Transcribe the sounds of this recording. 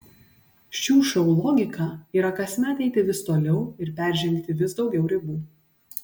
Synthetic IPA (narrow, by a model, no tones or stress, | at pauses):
ʃʲuːʃʲɛʊlˠɔːɡʲɪkʰɑiːɾɐkɐsʲmʲɛɐt̪ʲɛɪt̪ʲɪʋʲɪst̪oːlʲɛʊɪɾpʲæˑɾʲʒʲɪŋʲkt̪ʲɪʋʲɪsd̪ɒʊɡʲɛʊɾʲɪbuː